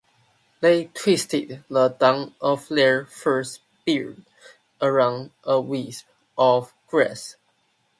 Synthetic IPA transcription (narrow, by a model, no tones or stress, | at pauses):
ðeɪtʰw̥istɪd̚ðədãŋəflɛɹfɜ˞s | b̥iɹd | ʔəɹãʊ̃ndəwisp̚ | ʔɔv | ɡ̥ɹɛ̰s